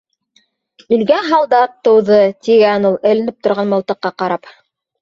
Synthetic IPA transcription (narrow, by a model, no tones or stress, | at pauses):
ɵ̆lɡæɦɑlˠd̪ɑp̚t̪ɤ̆wðɤt̪iɡænulˠɘ̆lɘ̆nɘp̚t̪ŏɾʁɑnmŏlˠt̪ɤ̆qːɑqɑɾɑp